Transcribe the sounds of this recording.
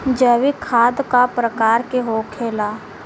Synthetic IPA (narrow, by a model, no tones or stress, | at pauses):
d͡ʒəʋikʰaːd̪kapɾəkaːɾkeɦoːkʰeːlaː